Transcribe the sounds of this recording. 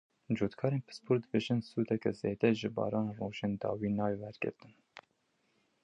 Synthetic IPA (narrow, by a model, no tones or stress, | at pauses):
d͡ʒuːt̪kʰɑːɾeːnpʰɨ̥spʰuɾd̪ɨbeʒɨnsuːd̪ɛkɛzeːd̪ɛʒɨbɑ̰ːɾɑːnroːʒeːnd̪ɑ̰ːwiːnɑːwewɛɾɡɨ̰ɾt̪ɨn